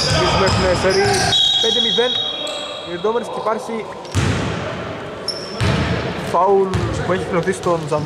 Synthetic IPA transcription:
lizmuexunekseɾipend̪emiven | ed̪omeɾescipɐɾsi | pɐulpueçikleθist̪onzɐm

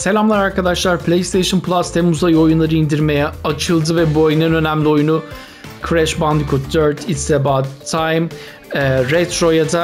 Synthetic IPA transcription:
se̞lʲamlˠaɾaɾkad̪aʃlˠaɾpʰlʲejst̪ʰejʃɯnpʰlˠast̪ʰɛmuzajo̞junlˠaɾɯind̪iɾme̞jɛat͡ʃʰɯlˠd̪ɯvɛbuoajnɯnø̞næmlʲio̞junu | kʰɾɛʃband̪ikʰut̪̚d̪øɾt̪ʰit̪sd̪ɛbat̪ʰːajm | ɛɾɛt̪ɾo̞jad̪a

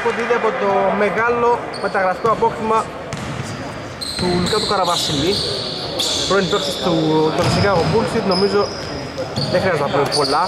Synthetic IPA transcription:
koðiðiɐpot̪omeɣɐlo̞ | me̞t̪ɐɣɾɐsk̪oɐpoximɐ | t̪ulkɐt̪ukɐɾɐvɐsili | pɾoinit̪oksist̪ut̪oɾisikaɣopulsit̪no̞mizo̞ | ðexɾiɐznɐpopolɐ

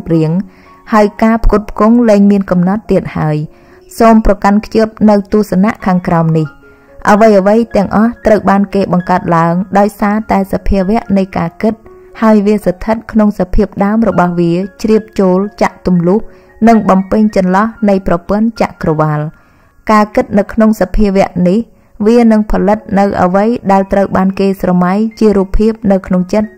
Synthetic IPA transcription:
p̚riəŋ | haəjkaːpʰkuət̪̚pʰkuŋlɛːŋmiənkɑmnɑt̪ːiət̪̚haəj | soːmprɑkankʰjiəp̚nɨwt̪uəhsanaʔkʰaːŋkraɔmnih | ʔəʋəjʔəʋəjt̪ɛ̆əŋʔɑht̪rəwɓaːnkeːɓɑŋkaət̪̚laəŋɗaɔjsaːt̪aɛsapʰiəʋɛ̆əʔnɨjkaːkɨt̪̚ | haəjʋiəsat̪ʰɨt̪̚kʰnoŋsapʰiəp̚ɗaəmrɔɓɑhʋiət͡ɕriəp̚t͡ɕoːlt͡ɕaʔt̪umlʊəh | nɨŋɓɑmpɨɲt͡ɕɑnlɑhnɨjprɑpʊ̆ənt͡ɕa̰ʔkrɔʋal | kaːkɨt̪̚nɨwkʰnoŋsapʰiəʋɛ̆əʔnih | ʋiənɨŋpʰɑlɨt̪̚nɨwʔə̰ʋəjɗaɛlt̪rəwɓaːnkeːsrɑmajt͡ɕiəɾuːpʰːiəp̚nɨwkʰnoŋt͡ɕət̪̚

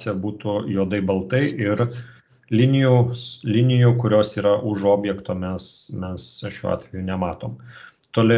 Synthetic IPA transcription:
sʲɛbuːt̪ujoːd̪ɐɪbɐlˠt̪ɐɪʔɪɾ | lʲɪnʲɪjuːslʲɪnʲɪjuːkʊɾʲoːsiːɾɐʔʊʃoːbʲjɛkt̪oːmʲɛsmʲɛsʃʲuːɑ̰ːt̪ʲʋʲɛjuːnʲɛmɑːt̪oːm | t̪oːlʲɪ

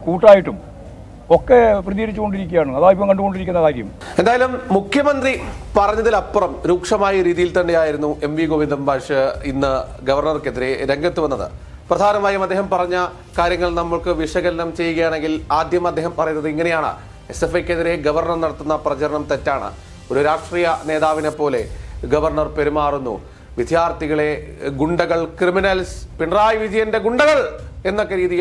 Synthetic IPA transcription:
kuːʈːaːjiʈːum | okːeprɐðiɣɐɾit͡ɕːuɣo̞ɳɖiɾikʲːijaːɳuɐðaːipːɐmŋkɐɳɖuɣo̞ɳɖiɾikʲːunːɐðaːkɐjṵm | e̞nd̪aːjɐlumːukʰjɐmɐnd̪ripɐrɐɲːɐðilɐpːrɐmɾuːkʂɐmaːjɐɾiːðijilt̪ɐɳɖijaːjiɾunːuʔe̞mʋiɡoʋind̪ɐmbʱaːʂɨinːɨ | ɡɐʋɐrɳɐrkːeðiɾe̞ɾeŋɡɐt̪ːuʋɐnːɐðɨ̰ | prɐd̪ʱaːnɐmaːjɐmɐd̪ːeːhɐmpɐrɐɲːɐ | kaːɾjɐŋːɐɭnɐmːɐɭkɨʋiʂɐɣɐlɐnɐmt͡ɕe̞jːuɣɐjaːɳe̞ŋɡilaːd̪jɐmɐd̪ːeːɦɐmpɐrɐjunːɐðɨiŋːɐne̞jaːɳɨ̰ | esefekːeðiɾe̞ɡɐʋɐrnɐrnɐɽɐt̪ːunːɐprɐt͡ɕɐɾɐɳɐmt̪ɐtːaːɳɨ̰ | oɾuɾaːʂʈriːjɐne̞ːðaːʋinepːo̞ːle̞ɡɐʋɐrɳɐrpe̞ɾumaːrunːṵ | ʋid̪ʱjaːrt̪iɣɐɭeɡuɳɖɐɣɐɭkriminɐlspiɳraːjʋid͡ʑɐjɐnde̞ɡuɳɖɐɣɐɭe̞nːokːeɾiːðijɐ

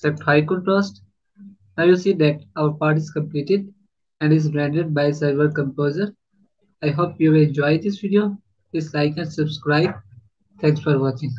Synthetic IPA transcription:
sɛp̚ʈhaɪkuʈɾɔːsʈ | naːjusiːd̪ɛʈaʊəɾpaːɾʈ̬ɪzkə̃mpliːʈɪɖ | ɛ̃ɳɖɪzɾɛ̃ɳɖəɖ̚baɪsaɪbəɾkə̃mpoːzəɾ | aɪɦoːpjuʋɪlɛ̃nd͡ʒɔːɪd̪ɪsʋiɖijoː | ɪsaɪkɛ̃nsəbskɾaɪb̚ | t̪ʰɛ̃ŋksfɔɾʋɔːkɪ̃ŋ

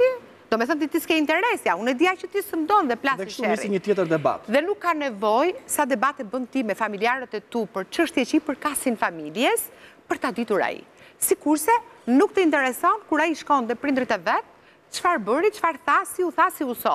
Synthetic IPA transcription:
i | d̪̥ɔmɛθɔnt̪̬it̪iskɛint̪ɛɾɛsjaunɛd̪iat͡ʃət̪isənd̪ɔnðɛplasʃɛiiɲət̪jɛt̪əɾd̪ɛba̰t̪ðɛnukːanɛvɔjsad̪ɛbat̪ɛbənt̪imɛfamiliaɾɛt̪ɛt̪upəɾt͡ʃəʃt̪jɛt͡ɕipəɾkasinfamiljɛspəɾt̪ad̪it̪uɾa̰ḭsikuɾsɛnuk̚t̪əint̪ɛɾɛsɔnkuɾaiʃkɔnd̪ɛpɾind̪ɾit̪ɛvɛt̪ | t͡ʃəfaɾbəɾit͡ʃəfaɾθasiuθasiusɔ̰

